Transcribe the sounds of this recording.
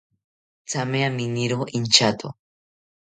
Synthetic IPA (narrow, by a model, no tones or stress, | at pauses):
t͡sameaminiɾoint͡ʃat̪o̰